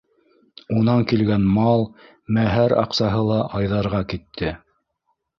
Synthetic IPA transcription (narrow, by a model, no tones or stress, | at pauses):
unɑŋkilɡænmɑlˠ | mæɦæɾɑ̰qsɑɦɤlˠɑʔɑjðɑɾʁɑkit̪ʰːɘ